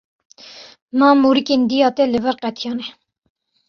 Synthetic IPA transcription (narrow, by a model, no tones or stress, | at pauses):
mɑːmuːɾikend̪ijɑːt̪ɛləbɛɾqɛt̪ʰijɑːnɛ